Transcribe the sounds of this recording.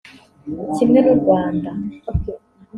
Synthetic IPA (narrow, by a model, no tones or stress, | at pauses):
cimŋenuɾɡwaːnda